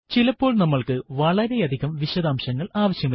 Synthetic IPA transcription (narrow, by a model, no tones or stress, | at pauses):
t͡ɕilɐpːo̞ːɭnɐmːɐɭkɨʋɐɭɐɾejɐd̪ʱiɣɐmʋiɕɐðaːmɕɐŋːɐɭaːʋɐɕjɐmɐ